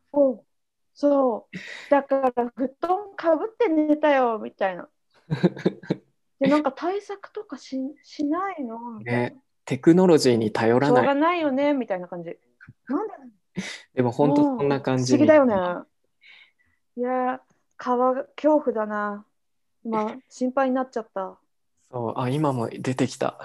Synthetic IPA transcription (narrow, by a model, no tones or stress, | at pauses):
soː | soːd̪̥akaɾaɸɯ̟t̪ːõŋkabɯ̟t̪ːe̞ne̞t̪ajo̞mʲit̪aina̰ | janãŋkat̪ʰaisakɯ̟̥t̪o̞kaɕiɕinainone | t̪e̞kɯ̟no̞ɾo̞ʑiːɲ̟it̪ajo̞ɾaaaɡanaijo̞ne̞mʲit̪ainakãɲ̟d͡ʑi | nãnd̪a | d̪̥e̞mo̞hõ̞nt̪oõnːakãɲd͡ʑiɡʲid̪ajo̞ne | ja | kʰaβakʲʰo̞ːɸɯ̟d̪ana | imaɕĩmpaiɲ̟inatt͡ɕat̪ːa | so̞ːʔaimamo̞̰d̪e̞t̪e̞kʲi̥t̪a̰